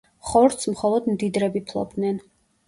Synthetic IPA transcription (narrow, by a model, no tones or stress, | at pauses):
χɔɾt̪smχɔlˠɔd̪md̪id̪ɾɛbipʰlˠɔ̰b̚d̪nɛn